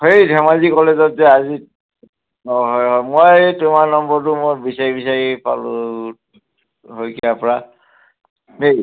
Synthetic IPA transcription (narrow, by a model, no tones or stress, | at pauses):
hejdʱɛmazikɔlezɔtzɛazi | ɦɔjɦɔmojtʊmaɹnɔmbɔɹtʊmobisaɹibisaɹipa̰lʊ | ɦojkʰiapɔɹa | nej